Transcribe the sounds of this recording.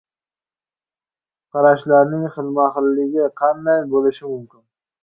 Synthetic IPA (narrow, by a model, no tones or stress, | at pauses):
qʰɑɾaʃlaɾnɪŋχɪlˠmaχɪlːɪɡʲɪqʰɑnd̪ajbolɪʃɪmʊmkʲɪn